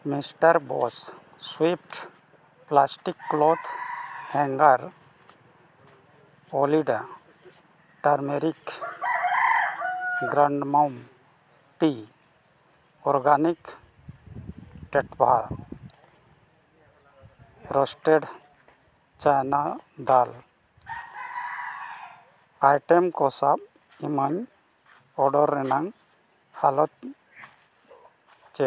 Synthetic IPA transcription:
misʈəɾbo̰s | swip̚ʰʈ | plaːsʈikːloːt̪ʰhɛ̃ŋɡəɾ | oːliɖa | ʈaɾmeɾik | ɡɾaɳɖmam | pi | ɔɾɡaːnik | ʈɛʈbʱa | ɾɔsʈɛɖ | t͡ʃajnad̪al | ajʈɛmkɔsab̚ | imaɲ | ɔɖɔɾːɛnaŋ | halɔt̪ | t͡ʃɛ

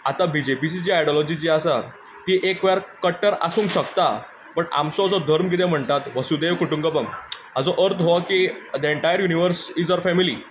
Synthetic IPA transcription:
at̪abid͡ʑepit͡ɕit͡ɕiːajɽɔlɔd͡ʑit͡ɕiːasa | t̪iʔekʋjaɾkəʈːəɾa̰suːŋkɕəkt̪a | pəɳa̰mt͡sɔd͡zɔd̪ʱəɾmkit̪ẽm̤əɳt̪at̪ʋəsud̪eʋkuʈuŋɡəpəm | ad͡zɔʔəɾt̪ʰɦoakid̪əeɳʈajəɾjuniʋəɾsid͡zaɾfɛmilḭ

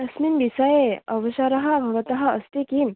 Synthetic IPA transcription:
ɐsminbisɐjeɐʋɐʃaɾɐɦɐ̆bʱɐʋɐt̪ɐɦɐ̆ɐst̪ekim

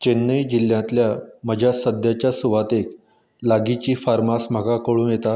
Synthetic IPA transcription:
t͡ɕenːəjd͡ʑil̤ːjãnt̪ljaməd͡ʑʱasəd̪jat͡ɕjasuʋat̪ek | laɡit͡ɕiːfaɾmasm̤əɡakəɭuːnjet̪a

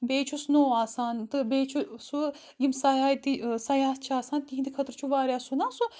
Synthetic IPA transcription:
beːt͡ʃʰusnoːaːsaːnt̪ɨbeːt͡ʃʰusu | jimsajaːjt̪isaːjaːst͡ʃʰaːsaːnt̪iɦind̪ikʰɐt̪ɾt͡ʃʰuʋaːɾʲjaːsunaːsu

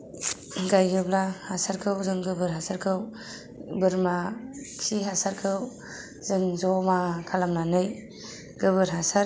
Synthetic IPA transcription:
ɡajɡɯblahasaɾkʰɯwzɯŋɡɯbɯɾɦasaɾkʰɯw | bɯɾmakʰsiɦasaɾkʰɯw | zɯŋzɔmakʰalamnanɯj | ɡ̥ɯbɯɾɦasaɾ

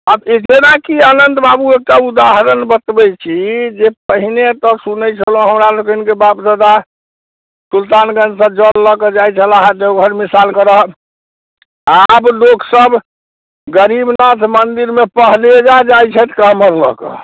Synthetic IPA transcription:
abekenakiənənt̪babuekʈaud̪aɦɾənbət̪bɛt͡ʃʰid͡ʒepəɦinet̪ɔsunət͡ʃʰəlõɦəmɾalokinkebapd͡ʒəd̪a | sult̪anɡə̃nd͡ʒsəb̚d͡ʒəlːəked͡ʒajt͡ʃʰəlaɦət̪d͡ʒeoɡʱəɾmisalkəɾəɦ | abloksəb | ɡəɾibnat̪ʰmənd̪iɾmepəɦlied͡ʒad͡ʒajt͡ʃʰɛt̪ʰkaɦməɾlə̰kḛ

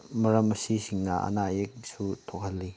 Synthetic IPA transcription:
mɐɾɐmːəsisiŋnaʔə̰najek̚sut̪ʰɔk̚ɦhɐlːi

